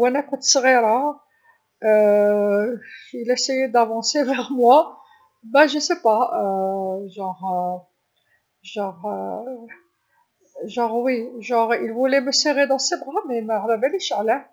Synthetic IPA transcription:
wænækʊt̪sʁiɾa | ilæsejed̪avɑ̃sevɛʁmwa | bæʒəsepa | ʒɑ̃ʁ | ʒɑ̃ʁ | ʒɑ̃ʁwiʒɑ̃ʁilvuleməseʁed̪ɑ̃sebʁamemæʕlæbæliʃʕlæ

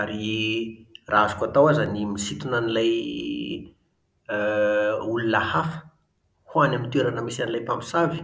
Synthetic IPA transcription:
aɾi | rʔaazu̥kat̪awazanimisit̪unanilaj | ulunahafə̥ | huanamint̪ueɾanəmisanilajpampi̥savi̥

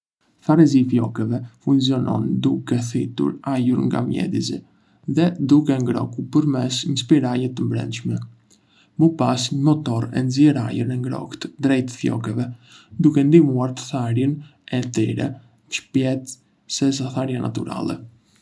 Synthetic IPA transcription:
θaɾɛzifjɔkɛvɛfuŋs̬iɔnɔ̰nd̪ukɛθit̪ṵɾajuɾŋɡa̰mjɛ̰d̪izḭ | ðɛd̪ukɛŋɡɾɔ̰kupəɾmɛsɲəspiɾaʎɛt̪əmbɾɛ̰nʃmɛ | məpasɲmɔt̪ɔɾɛ̰nzjɛɾa̰juɾnɛŋɡɾɔ̰kt̪d̪ɾɛjt̪fjɔ̰kɛvɛd̪ukɛnd̪imuaɾt̪ə̥θaɾjənɛt̪ɛɾɛ̰ | ʃpjɛt̪ | sɛs̬aθaɾjanʔa̰t̪uɾa̰lɛ̰

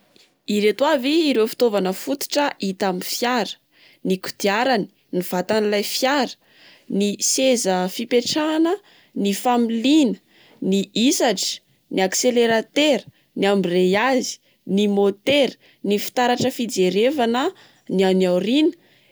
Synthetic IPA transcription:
iɾet̪waviːɾewfi̥t̪ovanəfut̪i̥ʈ͡ʂəʔit̪amifjaɾə̥ | niku̥d̪̥iaɾani̥ | niv̥at̪anilajfjaɾə̥ | nisezəfipeʈ͡ʂaːnə | nifamilinə̥ | niʔisaʈ͡ʂə̥ | niakseleɾat̪eɾ | niambirejazi̥ | nimot̪eɾ | nifi̥t̪aɾaʈ͡ʂəfid͡zeɾevanə | nianiawɾinə

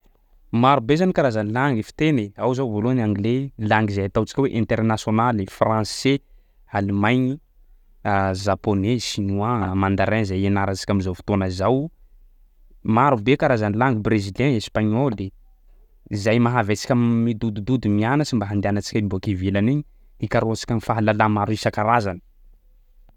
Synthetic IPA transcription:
maɾubezanikaɾazanilaŋɡifi̥t̪eneawzawvoloanaŋɡlelaŋɡizajat̪awt͡si̥kʲweʔɛ̃nt̪ɛrnasjonalifrãse | alimajɲi | azaponeʃinuãmand̪aɾãzajenaɾat͡ʃi̥kʲamizawfi̥t̪onəzaw | maɾubekaɾazanilaŋɡibreziljɛ̃espaɲoli | izajmaɦavat͡si̥kʲammid̪ud̪ud̪ud̪umianəsimbaɦand̪eanat͡ʃi̥kʲaimbokivilaniɲi | ikaɾoat͡si̥kʲamifaɦalalamaɾuisakaɾazanə̥

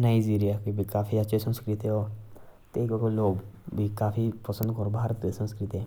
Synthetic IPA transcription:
naːɪd͡ʒiːɾijaːkibʱikaːfʰiətːʃʰeːsə̃nskɾɪt̪eɦoː | t̪eːɪkʋəkoloːɡbʱiːkaːpʰipəsənd̪kɔɾbʱaːɾət̪ːesə̃nskɾɪt̪e

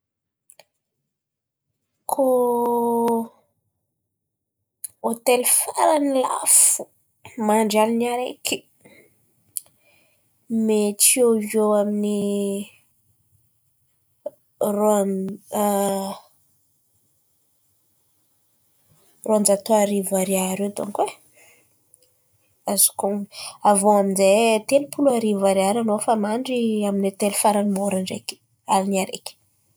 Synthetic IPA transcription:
kʰo | ot̪elfaɾanila̰fu̥ | maɳɖ͡ʐalinaɾḛki̥ | meʈ͡ʂiovoamini | ron | roand͡zat̪oaɾivaɾeaɾewd̪ṵŋkwe | azu̥koŋavoaminzet̪elupʰuluaɾivaɾeaɾanofamaɳɖ͡ʐiaminet̪elufaɾanimoɾaɳɖ͡ʐḛkʲə̥ | aliniaɾḛkʲ

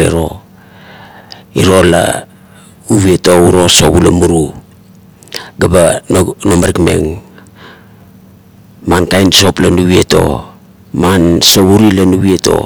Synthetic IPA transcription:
eɾo̞ | iɾo̞la̰ | uβieto̞uɾo̞so̞βulamuɾu | ɡabanomaɾikme̞̰ŋ | mankajnso̞planuβie̞to̞̰ | manso̞βuɾilanuβieto̞̰

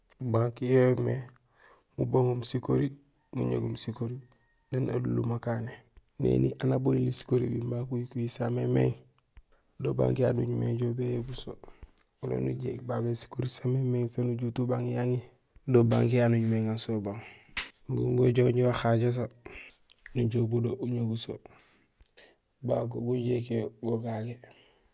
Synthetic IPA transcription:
baŋkijome | muboŋomsikoɾi | mṵɲḛɡumsikoɾi | nena̰dṵlṵmakanenḛniʔanabojilisi̥koɾḭbimbakujikujisamemḛŋ | doba̰ŋkija̰nuɲimḛŋɟobejebusoulo̰nṵɟḛkbabesi̥koɾisamemeŋsonuɟutubaŋjaŋi | doba̰ŋkijanuɲumeŋasobaŋ | ɡṵŋɡoɟoɲiwaxaɟas̬a | nuɟobodouɲoɡuso̰ | bakoɡuɟekoɡoɡaɡe

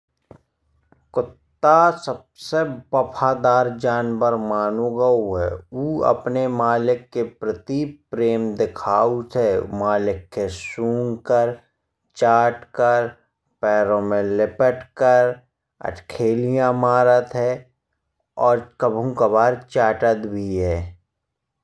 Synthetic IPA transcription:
kʊt̪ːasəb̚sebɐpʰaːd̪aːɾd͡ʒaːnbəɾmaːnoɡəuɦɛ̰uːə̰pnemaːlɪkːepɾət̪ipɾeːmd̪ɪkʰaːut̪ʰɛmaːlɪkːesũːŋkəɾ | t͡ʃaːʈkəɾ | pɛːɾõmẽlɪpəʈkəɾ | ə̰ʈkʰeːlijãmaːɾət̪ɦɛ | ɔːɾkəbʱũkəbaːɾt͡ʃaːʈət̪bʱiɦɛː

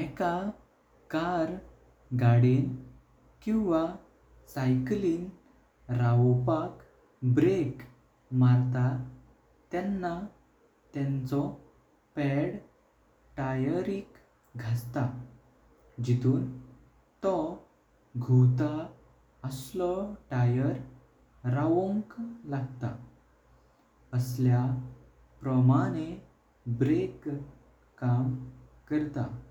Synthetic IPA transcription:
ɛka | kaɾ | ɡaɽin | kĩw̃ʋa | sajkliːŋ | ɾaʋpak | bɾek | maɾt̪a | t̪ɛnːa | t̪ɛ̃nt͡sɔ | pɛɽ | ʈajəɾiːk | ɡʱast̪a | d͡ʑit̪uːn | t̪ɔ | ɡʱuwt̪a | əslɔʈajəɾ | ɾaʋɔ̃ŋklaɡt̪a̰ | əslja | pɾəmañe | bɾek | kːamkəɾt̪a̰

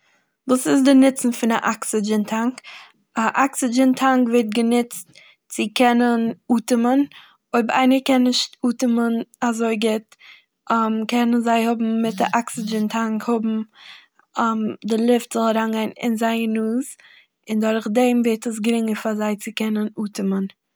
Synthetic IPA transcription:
vuːsɪs̬dɪnɪt͡sn̩fɪnaʔaksɪd͡ʒəntʰaŋk | aʔaksɪd͡ʒəntʰaŋkveɪɾt̚ɡənɪt͡st | t͡sɪkɛnənuːtəmən | oɪbəɾa̰ɪnəkɛnɪʃtuːtəmənazoɪɡɪt | amkʰɛnənzaɪhʊbm̩ːɪtaʔaksɪd͡ʒəntʰaŋkhʊbm̩ | amdɪlˠɪftz̥ɔlˠɾaŋɡaɪnɪ̰nzaɪənuːz | ɪndʊɾχdɛmvɛːtəs̬ɡɾɪŋəɾfazaɪt͡sɪkɛnənuːtəmən

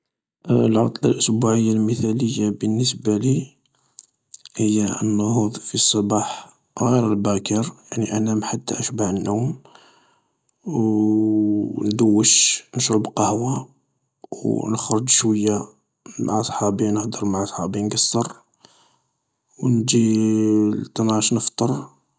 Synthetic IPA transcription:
ʔlʕɑt̪ˤlɑlʔʊsbuʕəjːalməθæləjːabənːəs̬bæli | həjːaə̰nːʊhud̪ˤfisˤːɑbɑħ | ɣiɾəlbækəɾjaʕniʔænæmħat̪ːa̰ʔəʃbaʕənːuwm | w | nd̪əwːəʃnəʃɾəbqɑhwa | wwnəxɾˤʊd͡ʒʃwəjːa | ma̰ʕasˤħɑbinəhd̪əɾˤmaʕasˤħɑbinɡɑsːɑɾˤ | wnd͡ʒi | lt̪ˤːɑnɑʃnəft̪ˤəɾˤ

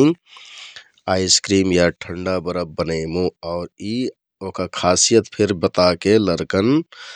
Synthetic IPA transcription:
aːjskɾiːmjaʈʰəɳɖabəɾəbənəɪmõɔːɾi | okakʰaːsijət̪pʰɪɾbət̪akeləɾkən

